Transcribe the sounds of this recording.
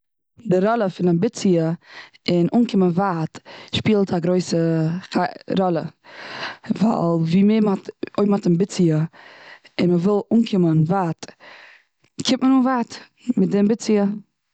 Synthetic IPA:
dɪɾɔlˠəfɪnabɪt͡siə | ɪnʔuːnkɪmənvatʃpiːlˠtʰaɡɾoɪsəχaɾɔlˠə̰ | va̰lˠviːmɪmɔtoɪmhɔtɪmbɪt͡siə | ɪnməvɪlˠuːnkʰɪmənvaːt | kʰɪpmənuːnvaːt | mɪt̚dɪmbɪt͡siə

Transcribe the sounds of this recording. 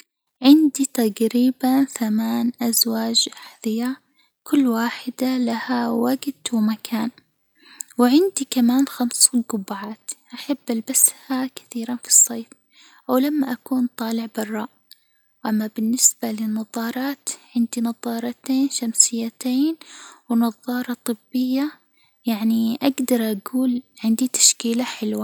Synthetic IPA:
ʕɪnd̪it̪aɡɾiːbanθamaːnʔazwaːd͡ʒʔaħðɨja | kʊlːwaːħɪd̪alahawaɡt̪wɪmakʰaːn | wɪʕɪnd̪ikamaːnxamsuːnɡʊbːaʕaːt̪ʔaħabːʔalbashakɪ̥θiːɾanfi̥sˤːeːf | ʔawlamːaʔakuːnt̪ˤɑːlɪʕbɑrˤːɑːʔ | wʔamːabɪnːɪsbalɪnːɑðˤɑːɾˤɑːt̪ʕɪnd̪inɑðˤɑːɾˤɑt̪eːnʃamsɪjːat̪eːnwɪnɑðˤːɑːɾˤɑt̪ˤɨbːɪjːa | jaʕniʔaɡd̪ɑɾˤʔaɡuːlʕɪnd̪it̪ḁʃkiːlaħɪlwa

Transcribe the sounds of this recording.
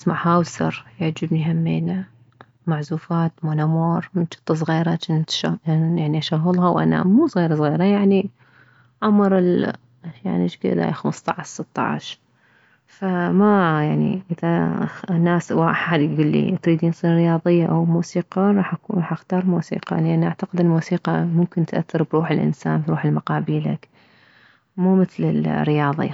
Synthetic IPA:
smaʕhawsɑ̰ɾˤjɪʕd͡ʒɪbniɦamːḛːna | maʕzuːfaːt̪moːnamoːɾˤmɪnʃɨ̥t̪ˤːɑs̬ˤɣiːɾat͡ʃɪnt̪ʃajaʕniʔaʃaɣːʊlɦawʔa̰na̰muːsˤɣiːɾsˤɣiːɾajaʕni | ʕamɾɪl | ja̰ʕniʃkɪ̰d̪a̰xamɨst̪ˤɑʕʃsɨt̪ːɑ̰ʕ̰ʃ | famajaʕnḭʔɪðanːaːswaʔaħad̪ɡuːlːḭt̪ɾiːd̪iːnsˤiːnɾɪjɑːðˤɨjːaʔawmuːsiːqɑɾˤɑːħʔakuːnɾɑːħʔaxt̪ɑːɾˤmuːsḭːqɑ̰lɪʔanːʔaʕt̪aqɪd̪ɪnmuːsiːqɑmʊmkɪnt̪ʔaθːɑɾˤbɾuːħɪlʔɪ̰nsa̰ːnbɾuːħɪlmaqɑːbiːla̰k | muːmɪθlɪ̰lrːɪjɑːðˤɪ̰a

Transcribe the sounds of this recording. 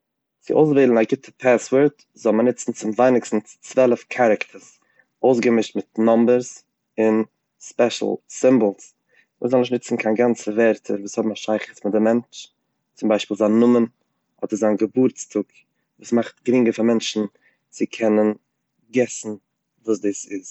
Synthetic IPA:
t͡sɪʔoʊs̬veɪlˠnaɡɪtʰəpʰaswəɾt | zɔlˠmənɪt͡sn̩t͡sɪmvaɪnɪkstn̩t͡svɛlˠəfkʰaɾəktʰəs | oʊsɡəmɪʃtmɪtnɔmbəɾs | ɪn | spɛʃl̩ˠsɪmbl̩ˠs | ṵːzɔlˠnɪʃ̬nɪt͡sn̩kʰaːnɡant͡səvɛɾtʰəɾvuːshɔbm̩aʃaɪχəsmɪdɪmɛnt͡ʃ | t͡sʊmbaɪʃpiːlˠzaːnʊmən | hɔtəzaːnɡəbuɾt͡stʰʊk | vuːsmaχtɡɾɪŋɡəfamɛnt͡ʃn̩ | t͡sɪkʰɛnən | ɡɛsn̩ | vuːsdiːsɪs

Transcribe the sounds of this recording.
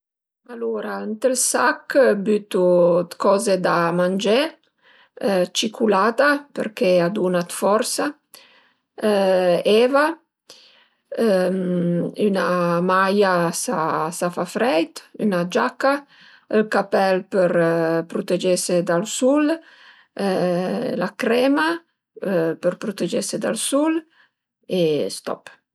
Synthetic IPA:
aluːɾaənt̪əlsakːbyt̪ut̪kɔːzed̪amand͡ʒe | t͡ʃikʰulaːt̪apə̰ɾkead̪unat̪fɔɾsa | ɛva | ynamajasasafafɾɛjt̪y̰nad͡ʒakːa | əlkapɛlpəɾpɾut̪ed͡ʒesed̪alsul | lakɾɛma | pəɾpɾut̪ed͡ʒesed̪a̰lsul | est̪ɔ̰p

